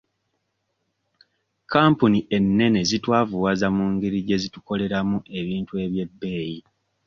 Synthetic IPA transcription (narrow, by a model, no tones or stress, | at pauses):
kaːmpuniʔe̞nːe̞ne̞zitwaːvuwazamuːŋɡiɾiɟe̞zituko̞le̞ɾamuʔe̞βiːntue̞βje̞bːe̞ːji